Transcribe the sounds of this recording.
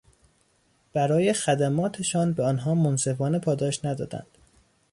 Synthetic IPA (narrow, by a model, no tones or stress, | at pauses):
b̥æɾɒːje̞xæd̪æmɒːt̪ʰe̞ʃɒːnbeɒːnɦɒːmonse̞fɒːne̞pʰɒːd̪ɒːʃnæd̪ɒ̰ːd̪æ̰nd̪̥